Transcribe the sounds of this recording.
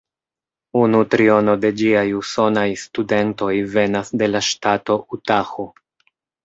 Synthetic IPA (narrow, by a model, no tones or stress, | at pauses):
unutɾio̞no̞de̞d͡ʒiajuso̞najstude̞nto̞jve̞nasde̞laʃtato̞ʔutaxo